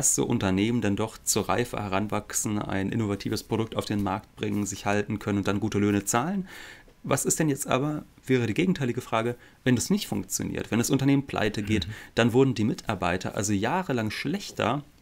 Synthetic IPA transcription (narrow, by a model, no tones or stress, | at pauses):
aszo̰ːʔʊ̰ntɐneːməndɛndɔχt͡suːɐʁa̰ɪfə̰hɛʁ̞anvaksn̩a̰ɪnʔɪ̰novatʰiːvəspʁ̥oɾʊk̚taʊfd̥eːnmaɐkt̚b̥ʁɪŋənzɪçhaltn̩kʰœnənʊntd̥anɡuːtəløːnət͡saːlən | vasɪstd̥ɛnjɛt͡stʔa̰ːbɐ | vɛːʁ̞ədiːɡeːɡŋ̩tʰaɪlɪɡəfʁ̥aːɡə | vɛndasnɪçtfʊŋkt͡sjo̰nḭɐtv̥ɛndasʔʊntɐneːmənpl̥ʔa̰ɪtəɡeːtd̥anvʊɐdn̩diːmɪtʰaɐbaɪtʰɐ̰ʔa̰lzojaːʁəlaŋʃlɛçtʰɐ̰